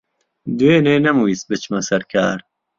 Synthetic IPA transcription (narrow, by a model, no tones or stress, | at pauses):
d̪weːneːnɛmuisbɨt͡ʃmɐsɛɾkʰa̰ːɾ